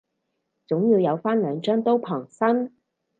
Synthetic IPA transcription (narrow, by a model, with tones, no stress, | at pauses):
t͡sʊ˨˥ŋjiː˧wjɐ˨˧wfaː˥nlœː˨˧nt͡ʃœː˥ŋt̪o˥wpʰɔː˨˩ŋsɐ˥n